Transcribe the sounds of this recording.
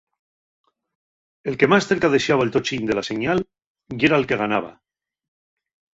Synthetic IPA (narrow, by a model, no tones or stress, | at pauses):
e̞lke̞masθe̞ɾkað̞eʃeaβaelt̪ot͡ʃind̪e̞lase̞ɲal | jeɾaelke̞ɣanaβ̞a̰